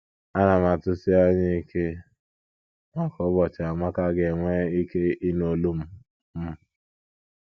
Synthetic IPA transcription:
a˦na˨m˨a˨tʊ˦si˦a˦ɲɪ˦i˦kʰe˦ | nɔ˦kɔ˦bɔ˨t͡ʃɪ˨a˨ma˦ka˦ɡe˨ŋʷe˦i˦ke˦i˦no˨lu˦m̩˦ | m̩˦

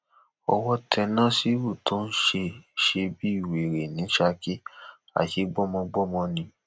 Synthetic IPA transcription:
ɔ˧wɔ˦tʰɛ˧nã˦si˦wu˦˨to˦n̩˦ʃe˧ʃe˧bi˦i˦˨we˨ɾe˨nĩ˨˦ʃa˧ki˦ | a̰˨ʃe˨˦ɡ͡bɔ˦mɔ̃˧ɡ͡bɔ˦mɔ̃˧nĩ˧˦

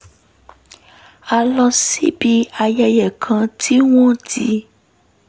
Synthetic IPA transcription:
a˧lɔ˧sḭ˦bi˧a˧jɛ˧jɛ˨kʰã˧tʰi˦w̃ɔ̃˦ti˦

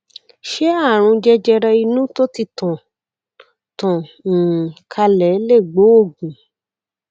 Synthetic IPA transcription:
ʃe˦a˦˨ɾ̃ũ˧d͡ʒɛ˧d͡ʒɛ˧ɾɛ˧i˧nũ˦to˦ti˧˦tɔ̃˨ | tɔ̃˨ | kʰa˧lɛ˨˦le˦˨ɡ͡bo˨˦o˦˨ɡũ˨

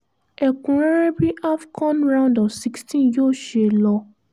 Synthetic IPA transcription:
e˨kũ˨ɾe˦ɾe˦bi˦ʔa˦fkʰɔ̃˦nɾã˦ʊ̃ndɔ˨vsi˦kstĩ˦njoː˦˨ʃe˧lɔ˧

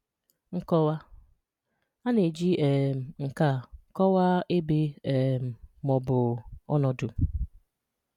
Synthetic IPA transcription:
ŋ̩˦kɔ˦wa˦ | a˦ne˨d͡ʒi˦ɛ˨m̩˨ŋ̩˨ka˦˨kɔ˦wa˦e˦be˦ɛ˨m̩˨mɔ˨bʊ˨ɔ̰˦nɔ˨dʊ˨

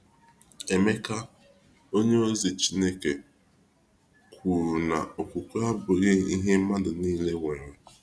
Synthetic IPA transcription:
e˨me˦ka˦ | o˦ɲe˦o˦zi˨t͡ʃi˦ne˦ke˨ | kʷʰu˨ɾu˨na̰˨o˨kʷu˨kʷu˦a˦bʊ˨ɣe˦i˦ɦe˦ma˦dʊ˨niː˦le˦ŋʷe˨ɾe˨

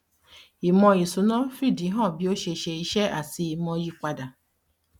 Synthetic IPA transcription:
i˨mɔ̃˧i˨su˨nɔ̃˦fi˦˨di˨˦ɦɔ̃˦˨bi˦o˦ʃe˧˨ʃe˧i˦ʃɛ˦ʔa˨si˧i˨mɔ̃˧ji˧k͡pa˧da˨

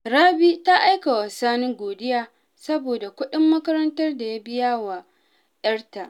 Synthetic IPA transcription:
ɾaː˦biː˦ta˦ʔa˦jka˨wa˨saː˦nɪ˦ŋɡʷoː˨dɪ˦jaː˦ | sɐ˦boː˨da˨kʷʊ˦ɗɪ˦mːɐ˦kɐ˦ɾɐ˦ntɐ˦rda˨ja˦bɪ˦jaː˦wa˨ | jɐ˦rta˨ʔ

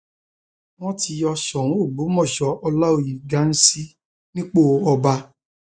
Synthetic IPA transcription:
w̃ɔ̃˦ti˧jɔ˧ʃɔ˨ɾũ˨˦o˦˨ɡ͡bu˨˦mɔ̃˦˨ʃɔ˧ʔɔ˧la˦o˨ji˨ɡa˨˦n̩˦si˦ | nĩ˦k͡po˦˨ɔ˧ba˧

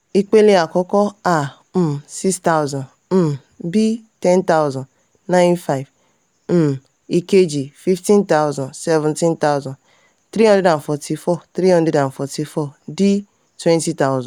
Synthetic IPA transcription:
i˦k͡pe˦le˦a˨kɔ˦kɔ˦a˦˨ | m̩˨si˦ksta˦wzɔ̃˨n | m̩˦ | bi˦tɛ˦nta˦wzɔ̃˨n | nã˦j̃nfa˦ɪ˨v | m̩˦ | i˦ke˦d͡ʒi˨fi˦ftĩ˦nta˦ʊzɔ̃˨nsɛ˦vɛ̃˨ntĩ˦nta˦wzɔ̃˨ | t̪ɾi˦ɦɔ̃˦ndɾɛ˦da˨nfɔ˨tʰi˦fɔ˦˨t̪ɾi˦hɔ̃˦ndɛ˦dã˨nfɔ˨ti˦fɔ˦di˦ | twɛ̃˦nti˦ta˦ʊzɔ̃˨

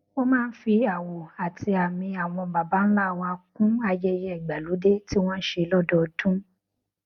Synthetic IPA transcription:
wo˦mãː˦˧n̩˦fi˧a˨wo˨a˨tʰi˧a˨mĩ˧a˨w̃ɔ̃˧ba˨ba˨˦n̩˦la˦˨w̃ɔ̃˧a˧kũ˦a˧jɛ˦˧jɛ˦ɛ˨ɡ͡ba˨lu˨˦de˦ti˦w̃ɔ̃˦ʃe˧lɔ˦dɔ˦˨˧dũ˦

